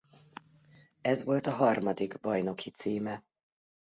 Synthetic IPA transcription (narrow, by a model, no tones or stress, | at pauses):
ɛzʋo̞lt̪ɒɦɒrmɒd̪iɡbɒjno̞kʰit̪siːmɛ